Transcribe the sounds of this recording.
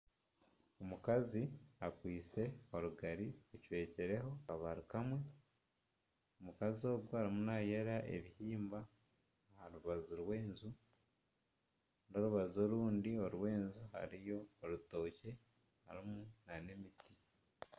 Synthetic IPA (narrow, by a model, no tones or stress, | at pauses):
omukaziakwiːt͡se̞o̞ɾuɡaɾiuciwe̞ːceɾe̞ɦo̞aβaɾukamwe̞ | omukazio̞ːɡwoaɾimunaje̞ɾaʔe̞̰βihiːmba | haɾuβazuɾwe̞ːnzu | no̞ɾuβazo̞ɾuːndio̞ɾwe̞ːnzuha̰ɾijo̞ːɾuto̞ːce̞ | ha̰ɾimunane̞miti̥